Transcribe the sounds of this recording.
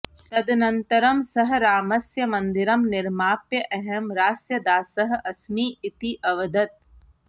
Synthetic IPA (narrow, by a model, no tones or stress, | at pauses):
t̪ɐd̪nɐnt̪ɐɾɐmsɐɦɐ̆ɾaːmɐsjɐmɐnd̪iɾɐmnɪɾmaːpjɐʔɛɦɛmɾaːsjɐd̪aːsɐɦɐ̆ʔɐsmiːit̪iʔɐʋɐd̪ɐt̪̚